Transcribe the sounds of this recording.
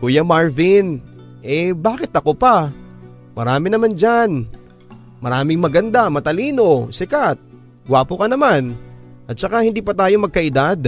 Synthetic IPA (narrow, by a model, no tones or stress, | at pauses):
kuːjamaɹvɪn | ʔɛbaːkɪt̪ɐko̞pɐ | mɐɾaːmɪnɐmand͡ʒan | mɐɾaːmɪŋmɐɡɐnd̪amɐt̪ɐliːno̞sɪkat̪̚ | ɡwaːpokɐnɐman | ʔɐt̪̚sɐkahɪnd̪iːpɐt̪aːjo̞mɐɡ̚kɐʔɪd̪ad̪̚